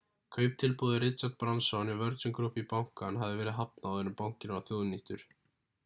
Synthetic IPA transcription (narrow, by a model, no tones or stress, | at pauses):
kʰœɥp̚t̪ʰɪlpoðɪɾɪt̪sapɾamsɔnivœɾt̪sʏmkɾʊhpipawŋ̥kanɦavðɪvɛːɾɪðɦapnaːwðɛnːʏmpawŋ̥cɪnvaθjoːwðniht̪ʏɾ̥